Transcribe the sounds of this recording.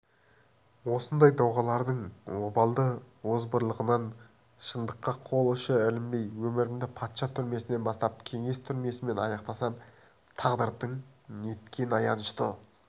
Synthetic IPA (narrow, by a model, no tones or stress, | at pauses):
wo̞sənd̪ɑjd̪ɑwʁɑlˠɑɾd̪əɴwobɑlˠd̪ə | wozbəɾlˠəʁənɑn | ʃənd̪əqːɑqʰo̞lˠəʃəɪlɪmbe̞jwɵmɪɾɪmd̪ɪpʰɑt̪ʃɑt̪ʰʏɾme̞sɪne̞nbɑst̪ɑp̚kʲʰe̞ŋe̞st̪ʰʏɾme̞sɪme̞nɑjɑqt̪ɑsɑm | t̪ʰɑʁd̪əɾt̪əɴnet̪kʲe̞nɑjɑnəʃt̪ə